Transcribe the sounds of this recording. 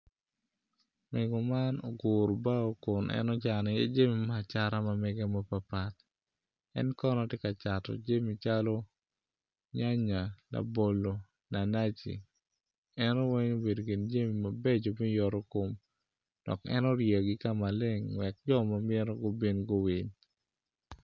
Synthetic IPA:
mɛ˨ɡɔ˨ma˦no̰˨ɡʊ˨ɾba˦o˦kʊ˨nʔɛ̰˦nɔ˦t͡ʃa˨nɪ˨e˦d͡ʒa˦mi˨ma˦˨t͡ʃa˦ɾa˦mamɛ˦ɡa˦ma˦pa˨pa˨t̪ | ɛ̰˦nkɔ˦nɔtjɪ˦ka˨t͡ʃa˨tɔ̰˨d͡ʒa˦mi˨t͡ʃalɔ˦ | ɲa˦ɲa˨la̰˨bo˨lo˨ | na˨na˦t͡ʃḭ˨ | ɛno˦we˦ɲo˦be˨do˨kɪ˨nd͡ʒa˦mi˨ma˨be˦d͡ʒo˨mɪ˦jɔ˨ɾɔ˦ko˨m | d̥ɔ̰˨kɛ̰˦nɔ˦ɾje˨ɡi˦ka˦ma˨le˦ŋwɛ˨k̚d͡ʒɔ˦ma˨mɪ˦ɾɔ˦ɡo˦bi˦nɡo˦wi˨ɲ

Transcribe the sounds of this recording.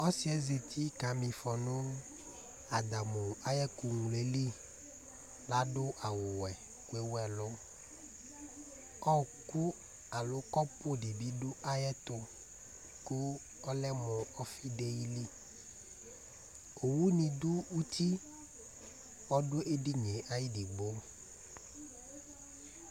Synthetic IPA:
ɔ˦si˨˦ɛ˦ze˨t̪ʰi˦ka˨mĩ˨fɔ˨nõ˦ | a˨d̪a˨mo˨a˦jɛ˦ku˨ŋu˨le˨li˦ | la˦ɖo˦ʔa˨wo˨wɛ˨ | ku˦e˦wɛ˨lo˦ | ɔ˦˨ku˦ | a˨lo˦kɔ˦po˦ɖi˨bi˦ɖo˦ʔa˦jɛ˦t̪o˦ | ku˦ | ɔ˦lɛ˦mɔ˨ɔ˦fi˦de˦ji˦li˦ | o˨wu˦nĩ˨du˦wu˦t̪i˦ | wɔ˦ɖo˦ʔe˦di˦ɲe˨ʔa˦ji˦di˨ɡ͡bo˦

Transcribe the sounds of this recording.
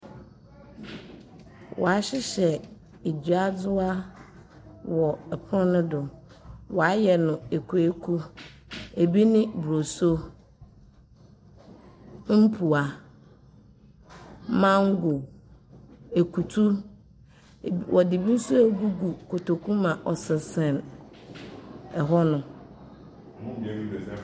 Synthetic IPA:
wɔ̰˨a˨ɕɪ˦ɕɛ˨ | e˨d͡ʑu˨a˦d͡zʊ˦a˦ | wɔ˨ɛ˨pʰʊ̃˦nʊ̃˦dʊ˨ | wɔ˨a˦jɛ˨nʊ̃˨e˨kʰu˨e˦kʰu˦ | e˨bi˦nɪ̃˦bɾo˨so˦ | m̩˦pʰu˨a˨ | mã˦ŋ̩˦ɡʊ˨ | e˨kʰu˨tʰu˦˨ | wʔɔ˨dɪ˨bi˦su˦e˦ɡu˦ɡu˨kʰo˨tʰo˨kʰũ˦mã˨ʔɔ˨sɪ˨sɛ̃˨n | ɛ˨ɦɔ˦nʊ̃˨

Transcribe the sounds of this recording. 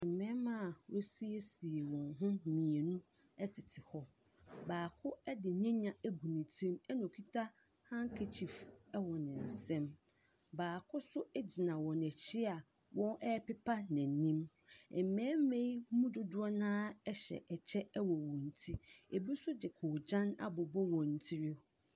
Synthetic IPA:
m̩˨mɛ̃˦mã˦˨wo˦si˦e˦si˨e˨wɔ̃˨nɦʊ̃˦mĩ˨e˨nũ˦ | ɛ˦tʰɪ˨tʰɪ˨hɔ˦ | baː˨kʰʊ˦ɛ˦dɪ˨ɲɛ̃˦ɲã˨æ˦ɡu˨nĩ˨tʰĩ˦mɛ˦nɔ̃˨kʰi˦tʰa˦ | hã˦ŋ˦kʰe˨t͡ɕʰi˨fɛ˦wɔ˨nɪ̃˨n̩˨sɛ̃˦m | baː˨kʰʊ˦sʊ˦ɛ˦d͡ʑi˨nã˨wɔ̃˨nɛ˨t͡ɕʰɪ˦a˨ | wɔ̃˦nʔɛ˦pɪ˦pʰa˦nã˨nĩ˦m | ɛ˨m̩˨mɛ̃ː˨˦m˦mẽ˦i˦mũ˦dʊ˦dʊ˦ɔ˦nãː˦ɛ˦ɕɛ̰˨ʔɛ˨t͡ɕʰɛ˦ɛ˦wɔ˨wɔ̃˨n̩˨tʰi˦e˨bi˦sʊ˦dɪ˨kʰʊ˨d͡ʑã˦na̰˦bʊ˨bɔ˦wɔ̃˨n̩˨tʰi˦ɾɪ˦

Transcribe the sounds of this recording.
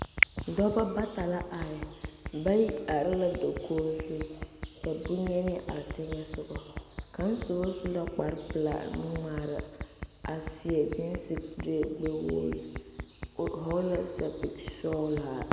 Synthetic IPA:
dɔ˦ba˦ba˦ta˨la˦ʔa˨ɪ˨ba˦ji˦a˨ɾɪ˦la˨do˨kʰoː˦su˦ka˨bu˦ɲɛ˦nɪ˦ɛ˦ʔa˨ɾt͡ʃɛ˦ɲɛ˦sʊ˦ɡɔ˨ka˨˦n˦sʊ˨bɔ˦su˦la˦k͡pa˨ɾpɨ˨la̰˨n˦ŋ͡maː˨ɾɪ˨a˨sɪ˨ɛ˨d͡ʒɪ˦n˦si˦de˦˨ɡ͡be˦wo̰ː˦lɪ˨ | ɦɔ˦la˦sa˨pi˨sɔ˦la˨

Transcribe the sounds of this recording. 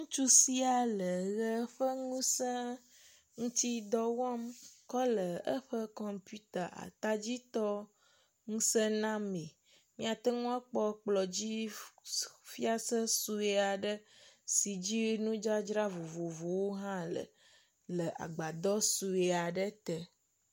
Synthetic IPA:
ŋũ˦t͡ʃu˦si˦a˨lə˨ɣə˦ɸə˦ŋũ˦sɛ̃˦ | ŋũ˦t̪i˦d̪ɔ˦wɔ˦mkɔ˦lə˨ə˦ɸə˦kɔ˨mpu˦t̪a˨ʔa̰˨t̪a˦d͡ʑi˦t̪ɔ˦ | ŋũ˦sə˦nã˦me˨ | mĩ˦a˨t̪ɛ˦ŋũ˦a˦k͡pɔ˦k͡plɔ˨d͡ʑi˦ | fi˦a˦sə˦su˦e˨a˨ɖə˦si˨d͡ʑi˦nũ˦d͡ʒa˦d͡ʒɾa˦vo˨vo˨vo˨wo˦ɦã˦lə̰˨ | lə˨ʔa̰˨ɡ͡ba˨d̪ɔ˦su˨e˨a˨ɖə˦t̪ə˨

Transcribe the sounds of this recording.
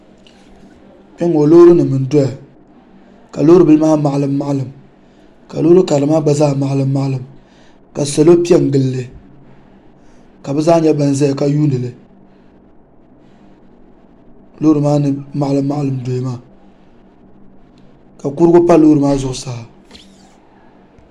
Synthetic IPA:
pɛ˦ŋo˨loː˦ɾɨ˦nɨ˨mɨ˨n˨do˦ja˨ | ka˨lo˦ɾɨ˨bɨ˦lɨ˦maː˦ma˨ʔa˨lɨ˦mːa˦ʔlɨ˨m | ka̰˨lo˦ɾɨ˦ka˨ɨ˨maː˦ɡ͡ba˦zaː˦ma˨ʔlɨ˦mː˦a˦ʔlɨ˨m | ka˨sɛ˨lo˦pi˦ɛ˦ŋ˨ɡɨ˦lːɨ˦ | ka˨bɛ˦zaː˦ɲɛ˦ba˨n˨za˦ja˨ka˦juː˦nɨ˨lɨ˨ | loː˦ɾɨ˨maː˦nɨ˨ma˨ʔlɨ˦mː˦a˦ʔlɨ˨mdo˨ja˨maː˦˨ | ka˨ku˦ɾɡʊ˦pa˦loː˦ɾɨ˨maː˦zʊ˨ʔʊ˨sa˨ha˨

